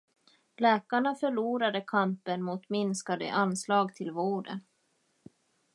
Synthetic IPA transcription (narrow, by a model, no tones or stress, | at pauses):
lɛːkaɳafœɭuːɾad̪əkʰampənmʊt̪mɪnskad̪ə̰ʔanslɑːɡt̪ʰɪlvoːɖə̰n